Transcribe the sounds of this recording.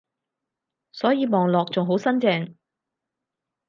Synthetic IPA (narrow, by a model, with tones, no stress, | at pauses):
sɔː˨˥jiː˨˧mɔː˨ŋlɔː˨k̚t͡sʊ˨ŋɦo˨˥wsɐ˥nt͡sɛː˧ŋ